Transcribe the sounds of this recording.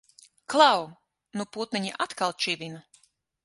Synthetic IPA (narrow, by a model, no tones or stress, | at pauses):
klˠaw | nuput̪niɲiʔat̪kalˠt͡ʃivʲina